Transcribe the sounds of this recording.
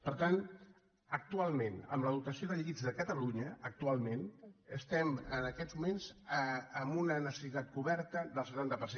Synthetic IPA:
pəɾt̪an | ək̚t̪ualˠmẽnə̰mləðut̪əsioðəʎəɣid͡zðəkət̪əluɲəək̚t̪ualˠmenəst̪ɛmənəkɛzmumenz̥əəmbunənəsəsit̪at̪̚kuβɛɾt̪əðəlˠsət̪ant̪əpəɾse

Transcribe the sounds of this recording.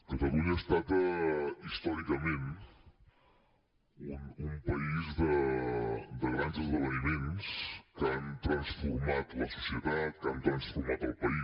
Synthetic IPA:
kət̪əluɲəːst̪at̪əist̪ɔɾikəmen | unumpəizðə | d̪əɣɾanzəzβəβənimenskəant̪ɾənsfuɾmat̪ləsu̥siət̪at̪̚kant̪ɾənsfuɾmat̪əlˠpəi

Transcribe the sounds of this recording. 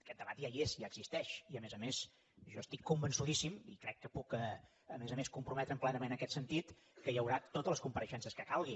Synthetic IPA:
kɛt̪̚d̪əβat̪jaiezjaəɡ̥zist̪ɛʃiəmezəmes | ʒɔəst̪ikːumbənsuðisimḭkɾɛkːəpukə | əmezəmeskumpɾumɛt̪ɾəmplɛnəmenəəkɛt̪sənt̪it̪ | kəjəwɾat̪ot̪ələskumpəɾəʃɛnsəskəkalˠɣi

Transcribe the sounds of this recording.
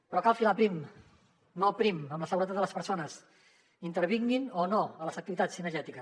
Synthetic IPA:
pəɾɔkalˠfilapɾim | nopɾiməmləsəɣuɾət̪at̪ələspəɾsonəs | int̪əɾβiŋɡinonoələzək̚t̪iβit̪at͡sːinəɾʒɛt̪ikəs

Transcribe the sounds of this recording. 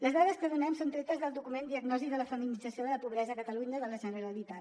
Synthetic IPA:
ləzðaðəskəðunɛmsont̪ɾet̪əzðəlˠd̪ukumend̪iəɡnɔziðələfəminid͡zəsioðələpuβɾɛzəkət̪əluɲəðələʒənəɾəlit̪a

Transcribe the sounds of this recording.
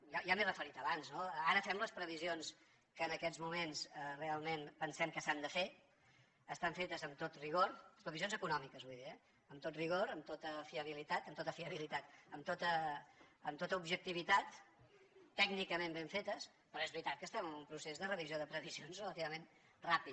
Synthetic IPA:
jaʒamerəfəɾit̪əβanznoəaɾəfɛmləspɾəβizions | kəːnəkɛzmumensərealˠmenpənsɛmkəsand̪əfe | əst̪aɱfet̪əzəmt̪ot̪riɣoɾspɾəβizionzəkunɔmikəzβujðiəː | mt̪ot̪riɣ̞oɾəmt̪ot̪əfiəβ̞ilit̪at̪əmt̪ot̪əfiəβilit̪at̪əmt̪ot̪əː | mt̪ot̪əubʒək̚t̪iβ̞it̪at̪ː | ɛɡnikəmẽmbeɱfet̪əs | pɾɔezβɾit̪at̪̚kəst̪ɛməmumpɾusezðərəβizioðəpɾəβizionzrələt̪iβəmen | rapit̪

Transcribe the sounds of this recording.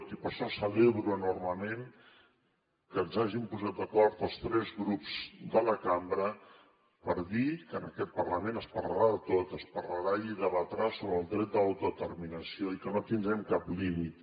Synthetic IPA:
t̪ipəɾʃɔsəβɛβɾuənorməmen | kənzaʒimpuzat̪̚d̪əkɔɾt̪əlˠst̪ɾɛzɣɾupz̥d̪ələkambɾə | pəɾðikənə̰kɛt̪̚pərləmẽnəspərləɾaðət̪ot̪əspərləɾaiðəβət̪ɾasoβɾəlˠd̪ɾɛt̪̚d̪əawt̪uðət̪ərminəsioikənot̪ind̪ɾɛmkaplimit̪

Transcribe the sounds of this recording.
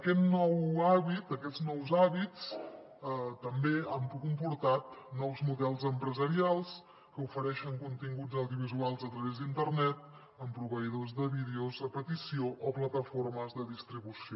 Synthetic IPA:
əkɛt̪nɔwaβit̪əkɛdd͡znɔwzaβit͡s | t̪əmbeampkumpuɾt̪at̪nɔwzmuðɛlˠzəmpɾəzəɾialˠs | kəufəɾɛʃəŋkunt̪iŋɡud͡zəwðiuβizualˠzət̪ɾəβezd̪int̪ərnɛt̪̚ | əmpɾuβəiðozðəβiðeuzəpət̪isioʔɔplət̪əfoɾməzðəðist̪ɾiβusio

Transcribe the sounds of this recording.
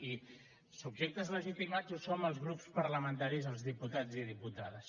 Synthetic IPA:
i | subʒek̚t̪əzləʒit̪imazusoməlˠzɣɾupspəɾləmənt̪aɾizəlˠzðiput̪ad͡ziðiput̪aðəs

